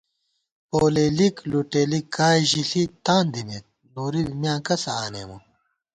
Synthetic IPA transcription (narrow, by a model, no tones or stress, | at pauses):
poːleːlikluʈeːlikːaːiʑiɬit̪aːnd̪imet̪̚noːɾimjãːkɐsaːnḛːmu